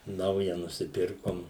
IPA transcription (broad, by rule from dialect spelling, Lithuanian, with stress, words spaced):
ˈnɐʊjɛ nʊsʲɪˈpʲɪrkoːm